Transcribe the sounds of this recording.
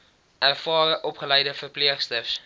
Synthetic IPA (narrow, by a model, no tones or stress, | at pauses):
ærfɑːɾəʔɔpχəlɛjdəfərpliəχstəfs